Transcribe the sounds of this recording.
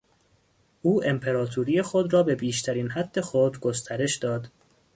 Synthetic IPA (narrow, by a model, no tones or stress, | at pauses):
ʔuːʔe̞mpʰe̞ɾɒːt̪ʰuɾiːjexod̪ɾɒːbe̞biːʃt̪ʰæɾiːnhæd̪̥ːe̞xod̪ɡost̪ʰæɾe̞ʃd̪ɒːd̪̥